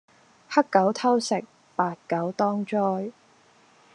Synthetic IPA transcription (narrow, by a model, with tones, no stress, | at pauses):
hɐ˥kkːɐ˨˥wt̪ʰɐ˥wsɪ˨˩k̚ | paː˧t̚kɐ˨˥wt̪ɔː˥ŋt͡ʃɔː˥j